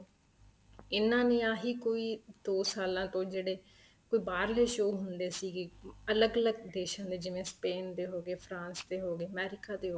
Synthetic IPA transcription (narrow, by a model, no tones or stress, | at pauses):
ɪnːãːnĩːaːɦiːkoːiːd̪oːsaːlãːt̪õːd͡ʒeːɽeː | koːiːbaːɾleːʃoːɦʊnd̪eːsiːɡeːələɡələɡ̚d̪eːʃãːd̪eːd͡ʒɪʋẽːspeːnt̪eːɦoːɡeːpʰɾãːnst̪eːɦoːɡeːəmɛːɾɪkaːt̪eːɦo